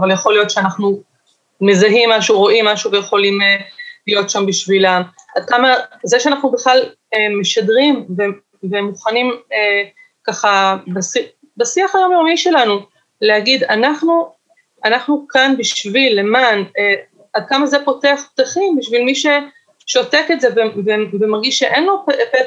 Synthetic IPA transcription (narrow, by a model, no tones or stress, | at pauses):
valjaχo̞lijot̪ʃeanaχnu | me̞zaɦimːaʃuʁo̞ʔimːaʃuvejeχo̞limelijo̞tʃambiʃvilamad̥̪̚kamazeʃeanaχnubeχlal | emeʃadʁimve | vemuχanime | kaχabasi | basiaχajomjomiʃe̞lanu | lehaɡid̪anaχnu | ʔanaχnukanbiʃvilːe̞mane | ad̪̚kamazepo̞teaχp̚t̪aχimbiʃvilmiʃe̞ | ʃo̞teketzevevevemaʁɡiʃʃeʔenloppe